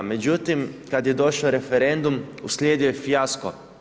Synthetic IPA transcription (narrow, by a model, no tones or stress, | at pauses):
mɛd͡ʒuːt̪imkat̪jɛd̪oːʃawɾɛfɛɾɛnd̪umuslʲeːd̪jujɛfjaskɔ̰